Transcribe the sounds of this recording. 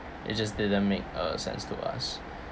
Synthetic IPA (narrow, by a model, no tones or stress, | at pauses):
ʔɪ̰t̚d͡ʒʌs̬dɪdə̃nmek̚əsɛ̰̃nstʰuʔa̰s